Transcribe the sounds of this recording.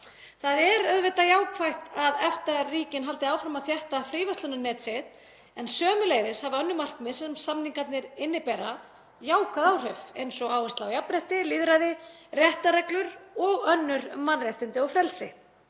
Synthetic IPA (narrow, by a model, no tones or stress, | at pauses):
θaðɛɾœðvɪt̪ajaːwkʰvajht̪aðɛft̪ariːcɪnɦal̪t̪ɪaːwfɾamaðθjɛht̪afɾiːvast̪lʏnʏnɛːt̪set̪ | ɛnsœːmʏleːjvɪshavɪœnːʏmar̥knmɪðsɛmsamniŋkat̪nɪɾɪnːɪpɛːɾa | jaːwkaðawr̥œɥfejnsɔɣaːwvɛst̪lawjapɾɛht̪ɪliðɾaðɪ | rjɛht̪aɾɛklʏɾɔɣœnːʏɾmanrjɛht̪ɪnt̪ɪɔfɾɛlsɪ̰